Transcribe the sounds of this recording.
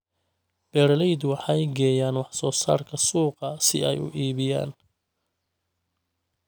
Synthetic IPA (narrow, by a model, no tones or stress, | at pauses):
b̥ɛːɾlɛjd̪wɑħɑjɡɛːjaːnwɑħsɔːsa̰ːrkʰɐsuːqɐsɪɛ̰jʊ̰ʔiːβɪja̰ːn